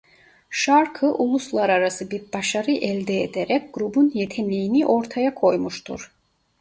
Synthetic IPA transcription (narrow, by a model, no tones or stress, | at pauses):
ʃaɾkʰɯʔulˠuslˠaɾaɾasɯbiɾbaʃaɾɯʔɛlʲd̪ɛed̪eɾɛc̚ɡ̥ɾubunje̞t̪ʰɛmlʲijiniʔo̞ɾt̪ʰajakʰo̞jmuʃt̪ʰṵɾ̥